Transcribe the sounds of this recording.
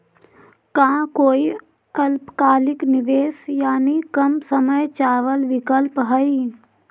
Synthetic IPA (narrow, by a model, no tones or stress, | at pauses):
kãːkoːi | ɐlpkaːlɪknɪʋeːsjaːnikəmsəməjt͡ʃaːʋəlʋɪkəlpɦəi